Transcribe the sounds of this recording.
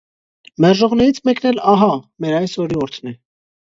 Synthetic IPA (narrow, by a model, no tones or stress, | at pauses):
mɛɾʒɔʁnɛɾit͡sʰmɛknɛlɑɦɑmɛɾɑjsɔɾiɔɾt̪ʰnɛ